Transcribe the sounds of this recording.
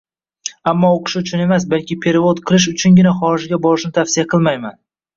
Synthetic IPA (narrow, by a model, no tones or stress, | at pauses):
amːɒoqʰɨ̥ʃɪʊt͡ʃʰʊne̞masbalkʲɪpʰe̞ɾɪvod̪qʰɨlˠɪʃ̬ʊt͡ʃʰʊnɡʲɪnaχɒɾɪʒɡʲabɒɾɪʃnɪt̪ʰafsɪjaqʰɨlˠmajman